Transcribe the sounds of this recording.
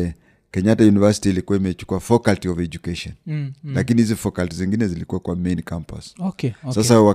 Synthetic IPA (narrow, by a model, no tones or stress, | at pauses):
ɛ | kɛɲatajunivasi̥tiːlikuwaimɛt͡ʃu̥kuafɔkaltiɔvɛd͡ʒukeʃɔnlakinihizifɔkaltiziŋɡinɛzilikuwakwamenkampa̰ssasawa